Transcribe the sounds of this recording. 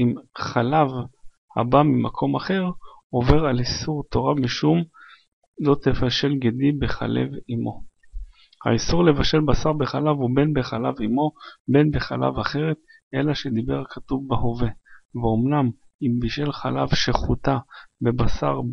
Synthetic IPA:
imχalav | ha̰bamimakʰo̞maχe̞ʁ | o̞ve̞ʁalisuʁt̪o̞ʁamiʃum | lo̞t̪evaʃe̞lɡed̪ibe̞χa̰le̞̰vimo̞ | ha̰isuʁle̞vaʃe̞lbasaʁbeχalavube̞nbeχalavimo̞be̞nbeχala̰vaχe̞ʁet̪ | ʔe̞laʃed̪ibe̞ʁkʰat̪uvbeho̞ve̞veomnam | imbiʃe̞lχala̰vʃeχut̪abe̞basa̰ʁ

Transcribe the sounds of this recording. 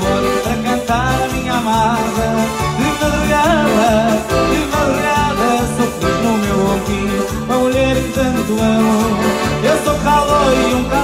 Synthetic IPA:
oɾpɐɾɐkɐ̃nt̪aɾɐmĩɲɐamaðɐðĩvɐliɣaðɐðĩvɐliɾaðɐsokinumewotĩ | pɾɐmuʎeɾẽt̪ɐ̃nt̪uɐmoɾewsokaloɾiũka

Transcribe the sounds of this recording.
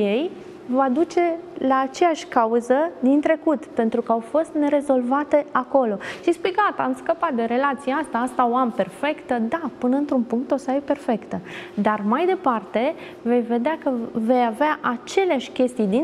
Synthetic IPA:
je̞j | vad̪ut͡ʃe̞laːt͡ʃe̞jaʃʲkauzəd̪int̪ɾe̞kut̪pe̞nt̪ɾukəawfo̞st̪ne̞ɾe̞zo̞lvat̪e̞ako̞lo̞ʃispijkat̪amskəpat̪̚d̪e̞ɾe̞lat̪sijeast̪aast̪aoampe̞rfe̞kt̪əd̪apɨnəɨnt̪ɾunpuŋk̚t̪o̞səajpe̞rfe̞kt̪əd̪armajd̪e̞part̪e̞ | ve̞jve̞d̪eakəve̞javeaʔat͡ʃe̞leaʃʲkʲe̞st̪ijd̪in

